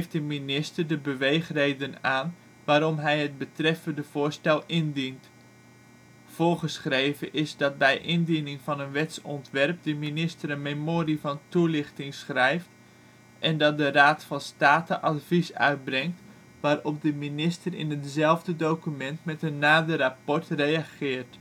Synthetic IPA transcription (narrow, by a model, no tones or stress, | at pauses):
fdəminɪstərdəbəʋejχrejdənaːn | ʋaːɾɔmɦɛjɦəd̚bətrɛfəndəv̥ʊːɹstɛlˠɪndint | v̥ʊːɹχəsχrejvəʔɪzdɑt̚bɛjʔɪndinɪŋvɑnənʋɛtsɔntʋɛrp̚dəminɪstəɾənmemoːrivɑntulɪχtɪŋsχrɛjft | ʔɛndɑt̚dəraːtfɑnstaːtəʔɑtvisœ̰ɥt̚brɛŋt | ʋaːɾɔp̚dəminɪstərɪ̰nɦətzɛlˠvdədowkymɛntmɛtənːaːdərapɔɹtrejaχɪːɹt